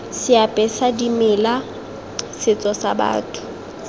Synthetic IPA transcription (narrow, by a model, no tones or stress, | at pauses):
sɪapʼɛsadimɪla | sɪt͡sʼɔsaba̰ːtʰʊ̥